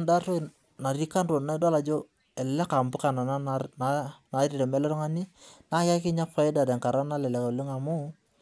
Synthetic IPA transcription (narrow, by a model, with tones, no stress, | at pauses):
nda˦to˦˨ | na˨ɾi˦ka˦nɾo˨na˦da˦la˨d͡ʒo˦ | ɛ˨lɛ˦ka˨mbʊ˦ka˨na˨na˦a˨na˨˦ɾi˨ɾɛ˨mɛ˦lɛ˦ɾɔ˦ŋa˦ni˦na˨˦ka˦kɪ˦ɲa˦fa˨˦ɪ˦da˨da˨ŋka˨ɾa˦na˦lɛ˨lɛ˨ko˨le˦ŋa˨mu˦